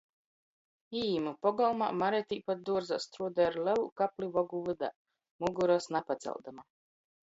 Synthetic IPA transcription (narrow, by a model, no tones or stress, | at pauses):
iːmupɔɡɔlˠma̰maɾɛt̪ʲiːpat̪̚d̪uɔɾza̰st̪ɾuɔd̪ɛɾlɛlˠukaplʲivɔɡuvɨd̪a̰ | muɡuɾɔsnapat̪sʲɛ̰lˠd̪ama